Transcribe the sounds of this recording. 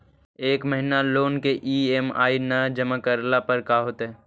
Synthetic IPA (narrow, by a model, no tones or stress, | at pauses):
eːkməɦɪnaloːnkeʔiːema̰ːinɐd͡ʒəmakəɾlapəɾkaɦoːt̪ɦɛː